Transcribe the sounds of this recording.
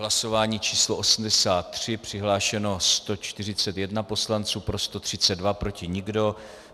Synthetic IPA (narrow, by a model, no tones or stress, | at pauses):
ɦlaso̞vaːɲiːt͡ʃiːsloʔosm̩dɛsaːt̪ːr̝̥ɪpr̝̥ɪɦlaːʃɛno̞st̪o̞t͡ʃt̪ɪr̝ɪt͡sɛt̪jɛdnapo̞slant͡suːpɾo̞st̪o̞t̪r̝̥ɪt͡sɛdvapɾo̞cɪɲɪɡdo̞